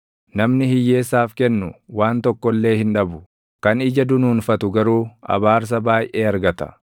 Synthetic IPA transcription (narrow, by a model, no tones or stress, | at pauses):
nɐmnɪhɪjːeːsːaːfkɛnːʊwaːnt̪ɔkːɔlːe̞ːhɪnᶑɐbʊ | kɐnɪd͡ʒɐd̪ʊnuːnfɐt̪ʊɡɐɾuːɐ̰baːɾs̬ɐbaːjʔeːɐɾɡɐt̪ɐ̥̰